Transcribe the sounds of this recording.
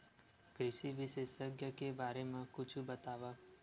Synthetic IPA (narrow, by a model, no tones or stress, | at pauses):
kɾɪʃiʋɪʃeːʃəkjəkebaːɾemẽkʊt͡ʃʰubɐt̪aːʋaː